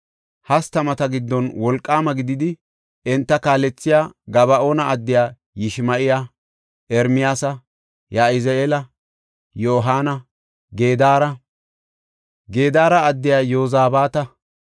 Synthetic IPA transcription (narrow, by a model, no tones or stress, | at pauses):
hɐst̪ɐmɐt̪ɐɡɪd̪ːɔnwɔlkʼːaːmɐɡɪd̪ɪd̪ɪ | ɛnt̪ːɐkaːlɛt͡sːɪjaːɡɐbɐʔoːnɐʔɐd̪ːɪjaː | jɪʃmɐʔɪja | ʔɛɾmɪjaːsɐ | jaːɪzeːlɐ | jo̞ːɦaːnɐ | ɡe̞ːd̪aːɾɐ | ɡeːd̪aːɾɐːd̪ːɪjaːjoːzaːbaːt̪ɐ